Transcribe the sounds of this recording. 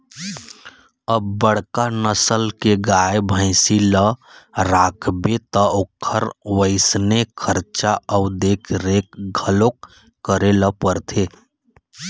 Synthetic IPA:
əbːəɽ̤kanəsəlkeɡajebʱə̃ɪsiləɾaːkʰbet̪əokʰːəɾwəɪsnekʰəɾt͡ʃaəʊd̪eːkʰɾekɡʱəlokː | əɾeləpəɾt̪ʰe

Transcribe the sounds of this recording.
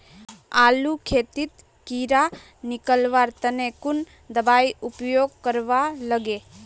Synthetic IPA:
aːlukʰeːt̪ɪt̪ | kiːɾa | nɪkəlʋaːɾt̪ənekʊn | d̪əbaːiʊpjoːɡ̚kəɾʋaləɡeː

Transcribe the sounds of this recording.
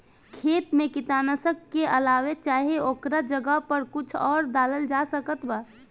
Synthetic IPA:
kʰeːt̪mẽkɪt̪aːnəsəkːeʔəlaːwet͡ʃaːɦeoːkɾad͡ʒəɡəɦpəɾkʊt͡ʃʰɔːɾd̪aːləld͡ʒasəkət̪baː

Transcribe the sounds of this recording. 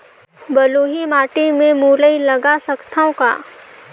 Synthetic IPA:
bɐluːɦimaːʈimẽmuːləilɐɡasɐkt̪ʰaõka̰ː

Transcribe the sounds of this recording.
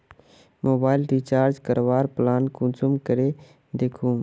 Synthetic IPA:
mʔoːbaːɪlɾiːt͡ʃaːɾd͡ʒkəɾʋaːɾplaːnkũnsʊmkəɾe | d̪eːkʰũː

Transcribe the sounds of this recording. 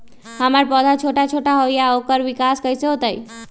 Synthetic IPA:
həməɾpɔd̪ʱat͡ʃʰoʈat͡ʃʰoʈaɦojjaokəɾʋikaskəjseɦot̪əj

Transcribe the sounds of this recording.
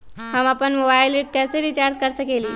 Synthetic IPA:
həmapənmobailiʈ̚kɛseɾit͡ɕaɾd͡ʒkəɾsəkeliː

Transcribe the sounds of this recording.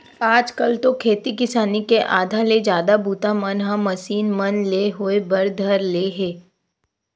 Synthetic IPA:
aːd͡ʒkɐlt̪okʰeːt̪ikɪsaːnikeʔaːd̪ʱaled͡ʒjaːd̪abuːt̪amɐnɦãmːɐsiːnmɐnleɦʊebɐɾd̪ʱɐɾleːɦeː

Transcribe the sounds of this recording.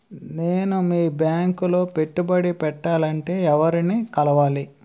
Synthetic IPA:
ne̞ːnumiːbjaːŋkulo̞ːpe̞ʈːubɐɽipɛʈːaːlɐɳʈe̞ːɛʋɐɾiniːkɐlɐʋaːli

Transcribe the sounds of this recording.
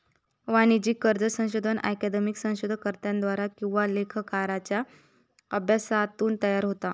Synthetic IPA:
ʋanid͡ʑiːkəɾd͡zəsə̃w̃ɕod̪ʱənʔa̰jkad̪emiksə̃w̃ɕod̪ʱəkəɾt̪jãnd̪ʋaɾakĩw̃ʋalekʰəkaɾat͡ɕja | əbʱjasat̪uːnt̪əjaɾɦot̪a

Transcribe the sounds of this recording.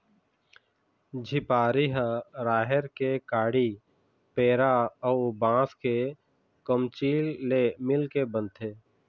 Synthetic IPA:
d͡ʒʱɪpaːɾiɦaɾaːɦəɾkekaːɽi | peːɾaɔʊbãːske | kəmt͡ʃiːlːemɪlkebə̃nt̪ʰeː

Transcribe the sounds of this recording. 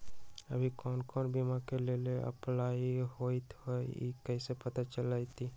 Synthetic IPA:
ə̰bʱikɔːnkɔːnbimakeleleʔə̰plaːiɦoːit̪oḭkɛːsepət̪at͡ʃəlait̪iː

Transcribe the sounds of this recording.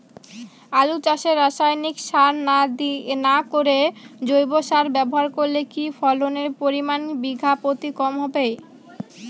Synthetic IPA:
alut͡ɕaʃeɾːaʃajnikʃaɾnad̪inakoɾed͡ʑojboʃaɾbɛboɦaɾkoɾlekifɔloneɾpoɾimanbiɡʱapot̪ikɔmɦɔbej

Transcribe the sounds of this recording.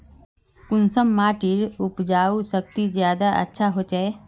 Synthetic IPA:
kʊnsəmːaːʈiɾʊpd͡ʒaːusək̚t̪izjaːd̪aʔə̰tːʃʰaɦoːt͡ʃae

